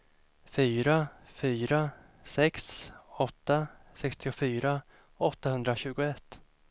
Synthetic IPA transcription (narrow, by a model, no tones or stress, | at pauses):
fyːɾafyːɾa | sɛksɔt̪ːasɛkst̪ɪʊfyːɾa | ɔt̪ːahɵnd̪ɾaɕʉ̟ːɡʊɛt̪ː